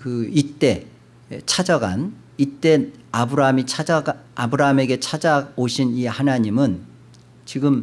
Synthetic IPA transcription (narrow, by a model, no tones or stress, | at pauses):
kɯit͈e̞ | t͡ɕʰad͡ʑʌɡa̰n | it͈e̞abɯɾaɦamit͡ɕʰad͡ʑaɡaabɯɾaɦame̞ɡe̞t͡ɕʰad͡ʑaoɕʰinihanaɲimɯn | t͡ɕiɡɯm